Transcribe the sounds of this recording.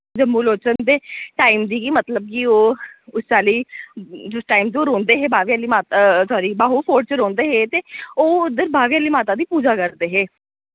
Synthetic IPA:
d͡ʒəmːuːloːt͡ʃənd̪eːʈaːimd̪iːkiːmət̪ləb̚kɪoːʊst͡ʃaːliːd͡ʒʊsʈaːimt̪eoːɾõːnd̪eːɦeːbʱaːʋiaːliːmaːt̪sɔːɾiːbaːɦupʰoːʈ̚t͡ʃɾõːnd̪eːɦeːt̪eːoːʊd̪əɾbʱaːʋijaːliːmaːt̪aːd̪iːpuːd͡ʒaːkəɾd̪eːɦeː

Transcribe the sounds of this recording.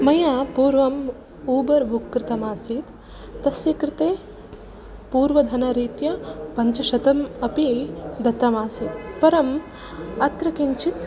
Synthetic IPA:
mɐjaːpuːɾʋɐm | uːbɐɾbukːɾɪt̪ɐmaːsit̪ː | ɐsjɐkɾɪt̪eː | puːɾʋɐd̪ʱɐnɐɾiːt̪jɐpɐɲt͡ʃɐʃɐt̪ɐmɐpid̪ɐt̪ɐmaːsit̪pɐɾɐm | ɐt̪ɾɐkiɲt͡ʃit̪

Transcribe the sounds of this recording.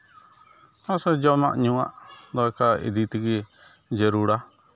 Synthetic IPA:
nɔ̃sɔd͡ʒana̰ʔɲũa̰ʔd̪ɔɛkaḭd̪it̪iɡi | d͡ʒɛɾuɽa

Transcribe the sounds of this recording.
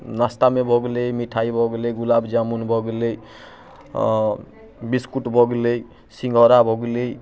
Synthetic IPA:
nast̪amebʱɔɡlejmiʈʰajbʱɔɡlejɡulabd͡ʒamunbʱɔɡlej | biskuʈbʱɔɡlej | siŋɡʱɔɾabʱɔɡlej

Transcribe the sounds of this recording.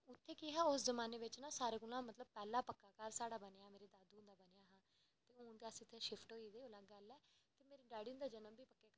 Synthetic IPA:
ʊt̪ʰːeːkiːɦɛːʊszəmaːneːʋɪt͡ʃnãːsaːɾeːkʊlãːmət̪ləb̚pɛːlaːpəkːaːkəɾsaːɽaːbənːameːɾeːd̪aːd̪ũnd̪aːbəneːjaːɦãː | t̪eːʊ̃ːnd̪easɪt̪ʰːeːʃɪpʰʈɦoːiːd̪eːoːlaːɡəlɛːt̪eːmeːɾeːɖaːɽind̪aːd͡ʒənəmbiːpəkːeː

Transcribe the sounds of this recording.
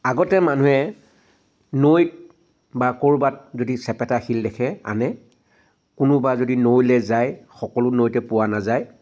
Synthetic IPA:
aɡɔtɛman̤uɦɛ | nojt̚ | bakoɹbat̚zodisɛpɛtaxildɛkʰɛa̰nɛ | kʊnʊbazodinojlɛzajxɔkɔlʊnojtɛpʊwanazaj

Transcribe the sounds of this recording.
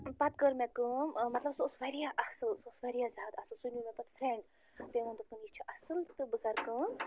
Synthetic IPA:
pɐt̪̚kəɾmekɨmɐt̪lɐbsosʋɐɾijaʔɐsɨlsosʋɐɾijazʲaːt̪ɐsɨlsunjumẽpɐt̪fʰɾẽɳɖ | t̪ẽʋɐ̃nd̪ɨpɨnjit͡ʃʰiʔɐsɨlt̪ɨbɨzɐɾkɨ

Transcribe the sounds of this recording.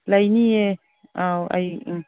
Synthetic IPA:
lainie | awa̰j

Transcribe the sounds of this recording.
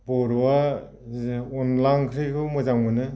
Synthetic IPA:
bɔɾwa | ɔnlaŋkʰɾikʰɯmɯzaŋmɯnɯ

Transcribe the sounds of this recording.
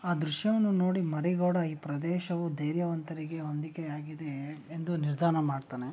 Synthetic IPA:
aːd̪ɾuʃjɐʋɐnːuno̞ːɽimɐɾiɡoːɽɐiːpɾɐd̪ɛːʃɐʋud̪ʱeːɾjɐʋɐnt̪ɐɾiɡe̞o̞nd̪ikeaːɡid̪eːnd̪uniɾd̪ʱaːnɐmaːɖt̪aːne

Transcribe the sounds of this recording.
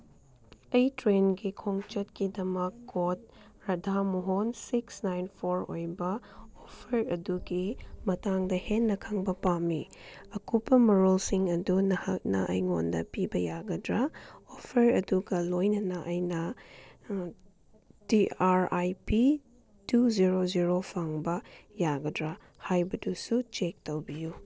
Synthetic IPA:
ɐjtɾenɡikʰoŋt͡ʃɐtkidɐmɐkːot̚ | ɾɐdʱamuɦonsiksnajnpʰoɾo̰jbɐ | opʰɐɾɐduɡimɐtaŋdɐhenːɐkʰɐŋbɐpamːiɐkupːɐmɐɾolsiŋɐdunɐhɐk̚nɐ̰ʔɐ̰jŋondɐ̰pibɐjaɡɐdɾaopʰɐɾɐduɡɐlojnɐnɐʔɐjnɐ | tiaɾajpi | tuziɾoziɾopʰaŋbɐjaɡɐdɾa | hajbɐdusut͡ʃek̚towbiju

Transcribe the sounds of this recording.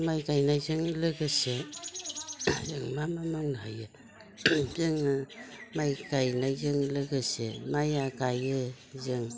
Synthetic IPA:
majkajnajzɯŋlɯɡɯse | zɯŋmamamaŋnaɦajɯ | zɯŋ | majkajnajzɯŋlɯɡɯsḛmajakajɯ | zɯŋ

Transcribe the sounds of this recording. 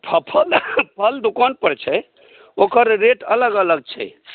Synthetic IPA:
pʰəpʰəlpʰəld̪ukanpəɾt͡ʃʰɛ | okəɾːeʈələɡələɡ̚t͡ʃʰɛ̰

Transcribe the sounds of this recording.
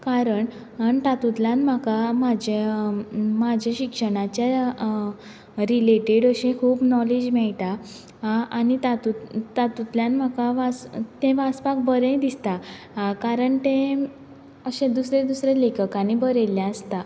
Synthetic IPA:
kaɾəɳ | nt̪at̪ut̪lanm̤akamad͡ʑʱe | mad͡ʑʱaɕikʂəɽ̃at͡ɕja | ɾileʈeɽəɕẽkʰuːpnɔlid͡ʑmɛɭʈ̪a | añit̪at̪ut̪ːat̪ut̪ljãnm̤akaʋast̪ẽʋaspakbəɾẽd̪ist̪a | kaɾəɳt̪ẽ | əɕẽd̪usɾed̪usɾelekʰəkañibəɾeljaəst̪a

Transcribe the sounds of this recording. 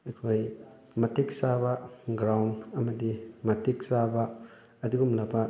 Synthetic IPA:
ejkʰoj | mɐtek̚sabaɡɾawnɐmɐdimɐtʰik̚sabaː | diɡumlabɐ

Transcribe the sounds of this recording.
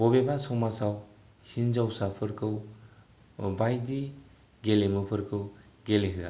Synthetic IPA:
bɔbebasɔmasaw | hinzawsapʰɯɾkʰɯw | bajdi | ɡelemɯpʰɯɾkʰɯwɡeleɦɯa̰

